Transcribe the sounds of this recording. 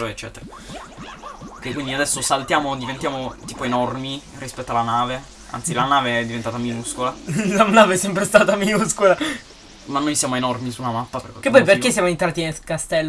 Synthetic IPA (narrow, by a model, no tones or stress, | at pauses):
ɾoet͡ʃːɛ̰ːt̪eɾa | kekwind̪iad̪ɛsːosalt̪jaːmod̪ivent̪jaːmot̪iːpoenɔrmi | rispɛt̪ːoalanaːve | a̰nt̪silanaːveɛd̪ːivent̪aːt̪aminuskolalanaːveɛsːɛmpɾest̪aːt̪aminuskola | manːojsjaːmoenɔrmisunamapːaperkekeppɔjperkesːjamoent̪ɾaːt̪inekast̪ɛlː